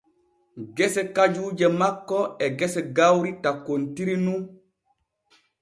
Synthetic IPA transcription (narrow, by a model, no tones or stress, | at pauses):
ɡɛsɛkad͡ʒuːd͡ʒɛmakːɔɛɡɛsɛɡawɾitakontiɾinu